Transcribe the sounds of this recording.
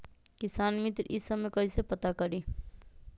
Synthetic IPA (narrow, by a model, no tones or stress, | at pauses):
kisaːnmit̪ɾisəmekəisepət̪akəɾi